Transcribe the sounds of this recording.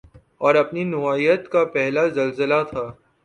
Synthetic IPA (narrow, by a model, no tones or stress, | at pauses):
ɔːɾɐpninʊaːiːət̪kapɛɦlazɐlzəlat̪ʰaː